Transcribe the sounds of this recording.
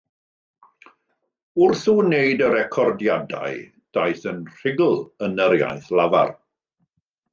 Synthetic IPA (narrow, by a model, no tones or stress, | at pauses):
ʊrθunejdəɾɛkʰɔrdjada̰j | d̥ajθənr̥ɪɡʊlˠənəɾja̰jθlava̰r